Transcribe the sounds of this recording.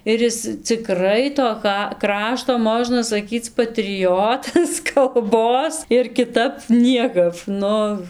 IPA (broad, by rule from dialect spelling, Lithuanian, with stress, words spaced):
ɪr ˈjɪs t͡sʲɪˈkrɐɪ toː ˈkɐ ˈkrɑːʃtoː ˈmoːʒnɐ sɐˈkʲiːt͡s pɐtʲrʲɪˈjoːtɐs kɐlˠˈboːs ɪr kʲɪˈtɐp ˈnʲiɛkɐp ˈnʊ